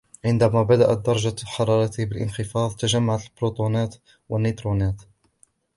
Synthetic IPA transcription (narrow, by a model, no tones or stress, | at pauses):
ʕɪnd̪æmæbad̪aʔat̪̚d̪ɑɾˤɑd͡ʒaħɑɾˤɑːɾˤɑt̪bɪlʔə̰nxəfɑːðˤt̪aʒamːaʕat̪lbɾot̪ˤunæːt̪ | wanːit̪ɾunæːt̪